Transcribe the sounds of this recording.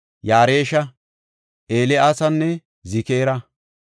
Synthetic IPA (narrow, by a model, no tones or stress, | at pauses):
jaːɾeːʃɐ | ʔeːlɛasɐnːɛ | zɪkeːɾɐ